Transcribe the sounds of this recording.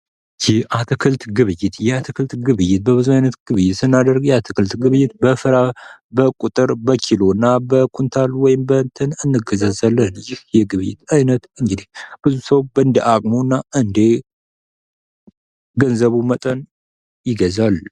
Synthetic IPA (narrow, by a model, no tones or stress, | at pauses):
jɛʔat̪ʰɨkʰɨlt̪ɡɨβɨjːɪt̪jɛat̪ʰɨkʰɨlt̪ɡɨβɨjɪt̪̚bəβɨzuajnət̪ɡ̥ɨβɨjːɪt̪sɨnːad̪əɾɡjɛat̪ʰɨkʰɨlt̪ɡɨβɨjːɪt̪̚bəfɨɾabəkʼut̪ʼɨɾbəkʰilonːabəkʰunt̪ʰalwɔjɪmbənt̪ʰənɨnːɨɡəzəzalːənjɪhjɛɡɨβɨjːɪt̪ajnət̪ɨŋɡɨd̪ihb̥ɨzusəwbəɨnd̪iʔakʼmoɨnːaʔɨnd̪e | ɡənzəβumət̪ʼən | jɪɡəzal